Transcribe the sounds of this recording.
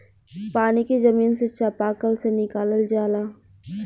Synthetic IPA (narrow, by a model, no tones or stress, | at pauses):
paːnikezɐmiːnset͡ʃapaːkəlsenɪkaːləld͡ʒaːlaː